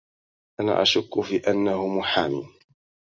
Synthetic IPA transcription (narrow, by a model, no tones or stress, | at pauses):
ʔana̰ːʔaʃʊkːʊfiːʔanːahʊmʊħaːmḭːn